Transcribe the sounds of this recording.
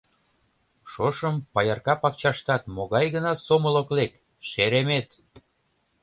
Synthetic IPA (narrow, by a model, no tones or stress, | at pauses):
ʃoʃəmpɑjɑrkɑpɑk̚t͡ɕɑʃt̪ɑt̪moɣɑjɣənɑsoməloklek | ʃeɾemet̪